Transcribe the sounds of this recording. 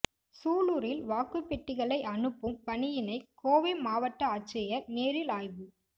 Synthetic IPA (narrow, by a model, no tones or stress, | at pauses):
suːluːɾɪlʋaːkɯpːɛʈːɪɣɐɭɐɪʔɐnɯpːɯmpɐɳɪjɪnɐɪkːoːʋɪmaːʋɐʈːɐat͡ʃːɐjɐɾneːɾɪlaːjʋɯ